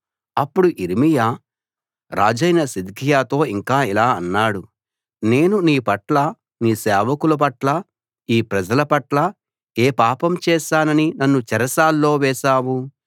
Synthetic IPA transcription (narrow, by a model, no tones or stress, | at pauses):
ɐpːuɽuʔiɾimijaː | ɾa̰ːd͡ʒɐjnɐsid̪ikijaːt̪o̞ːiŋkaːilaːɐnːaːɽu | ne̞ːnuniːpɐʈlɐ | niːsɛːʋɐkulɐp̬ɐʈlɐ | iːpɾɐd͡ʒɐlɐpɐʈlɐ | eːpaːpɐmt͡ʃɛːʃaːnɐninɐnːut͡ʃɛɾɐsaːlːo̞ːʋɛːʃaːwu